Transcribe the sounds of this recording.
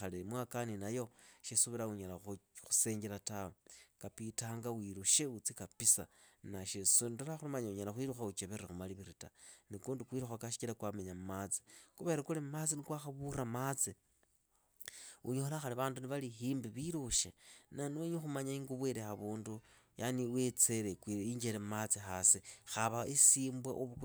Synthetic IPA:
alemwakaninajo̞ʃesuβiɾauɲalaxu̥se̞ːɲɡeɾatawakapitaːŋɡawiɾuʃeut͡sikapisanaʃesonitolaxulumaɲauɲalaxwiɾuxaut͡ʃeβeɾexumaliβiɾitanikuːndukwiːɾuxakaʃi̥kilakwameɲamumat͡si̥xuβe̞ɾekulemat͡sinikwaxaβuɾamat͡si | uɲoolaxaliβaːnduniβalixiːmbiβiɾuʃenanoɲoxumaɲaiːŋɡuβweɾexaβuːndu | janiwet͡se̞ɾekwiɲd͡ʒeɾemmat͡sixasixaβaisiːmbwa̰ʔoβu

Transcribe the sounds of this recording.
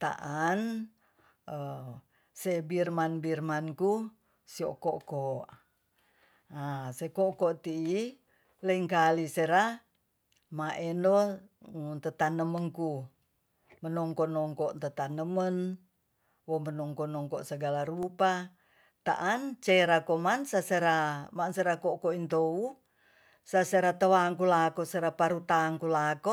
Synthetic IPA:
t̪a̰ʔan | ə | sebirmanbirmanku | sio̰ʔkɔʔkɔʔ | asekokɔʔt̪iː | ləiŋkaliseɾa | maʔɛndo | t̪ət̪anəməŋku | mənɔŋkɔnɔŋkɔʔ̪t̪ət̪anəmən | wɔmənɔŋkɔnɔŋkɔʔsəɡalaɾupa | t̪a̰ʔant͡ʃeɾakomansaseɾamanseɾakokoint̪ou | saseɾat̪əwaŋkulakoseɾapaɾut̪aŋkulako

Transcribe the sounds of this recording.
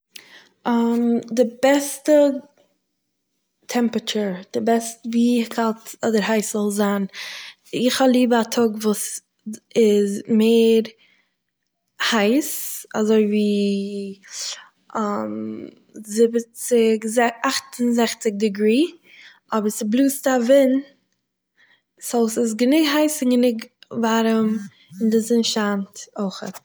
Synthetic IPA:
amdɪbɛstə | tʰɛmpɾət͡ʃəɾd̥ɪbɛstəviːkʰaltɔdəɾɦaɪszɔlˠzaːn | ɪχalˠiːbəatʰɔɡvuːs | ɪzmeːɾ | haɪsa̰zoɪviː | am | zɪbət͡sɪɡzɛaχtʊnzɛχt͡sɪɡ̚dɪɡɾiː | ɔbəɾsɪblˠuːstavɪn | soʊsɪs̬ɡənɪɡɦaɪsɪnɡənɪɡvaɾəm | ɪndɪzɪnʃaːntoɪχə̰t

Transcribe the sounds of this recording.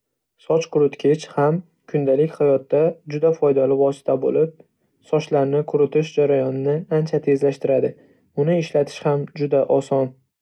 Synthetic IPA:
sɒt͡ʃqʰʊɾʊt̪kʲʰet͡ʃham | kʰʊnd̪alɪkʲhajɒt̪ːad͡ʒʊd̪afɒjd̪alɪvɒsɪ̥t̪ʰabolɪp̚ | sɒʃlaɾnɪkʰʊɾʊt̪ʰɪʃd͡ʒaɾajɒnɪnɪant͡ʃʰat̪ʰe̞zlaʃt̪ɪɾad̪ɪ | ʊnɪɪʃlat̪ʰɪ̥ʃhamd͡ʒʊd̪aʔɒsɒn

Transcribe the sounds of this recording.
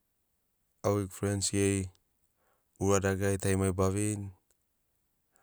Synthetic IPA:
awikfɾensiej | uɾadaɡajt̪ajmajbaβin

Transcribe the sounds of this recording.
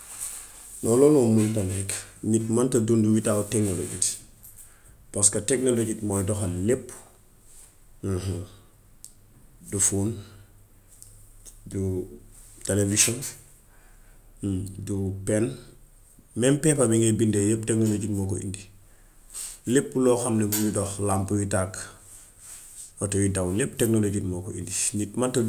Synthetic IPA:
nɔlɔnomuntanɛknitmantɐduːnduwitawteknolo̰ɟit | paskateknoloɟitmɔjdɔxalepː | h | dufuːn | du | televisɔn | dupɛn | mɛmpɛpamiŋebindɛlep̚tɛk̚noloɟitmɔkoʔḭndi | lepːulɔːxɐmnɛbujudɔxlampujitak | wɔtɔjidawnep̚ːtɛknoloɟitmɔːkɔḭndinitmanto

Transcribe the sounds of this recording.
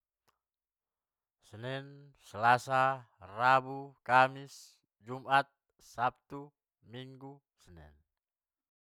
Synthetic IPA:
sənɛn | səlasa | rabukamis | d͡ʒumat̪̚ | sap̚t̪u | miŋɡu | sənɛ̰n

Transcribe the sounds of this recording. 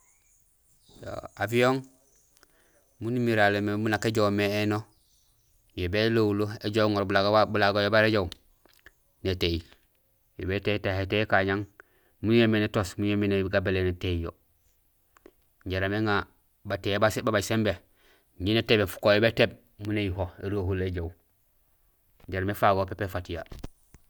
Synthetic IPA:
jo̰avijoŋ | munimiɾalemebunakeɟomeːno | jobelowuloeɟoŋoɾbulaɡbulaɡojobaɾeɟowŋ | neteil | jo̰betetahetekaɲaŋ | mujemenetosmuɲemeneɡabeleneteijo̰ | ɲɟaɾameŋa | batejbasbabaɟsembe | ɲinetebefu̥kojobeteb̚ | munejiɦoeɾohuleɟow | ɲɟaɾamefaɡopepefatija̰

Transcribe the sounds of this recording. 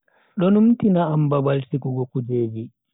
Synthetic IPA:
ɗɔnumtinaambabalsikuɡɔkud͡ʒeːd͡ʒi

